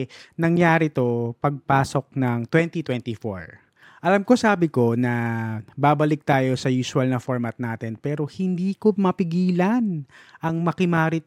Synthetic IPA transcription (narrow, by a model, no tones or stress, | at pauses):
nɐŋjaːɾɪt̪o̞pɐɡ̚paːso̞k̚nɐŋt̪wɛnt̪it̪wɛnt̪ifo̰ɹ | ʔɐlɐmko̞saːbɪko̞nɐbaːbɐlɪk̚t̪aːjo̞sɐjuːsʊɐlnɐfoɹmɐt̪̚naːt̪ɛnpɛːɾo̞hɪnd̪iːkomɐpɪɡiːlɐnʔɐŋmɐkɪmaːɾɪt̪̚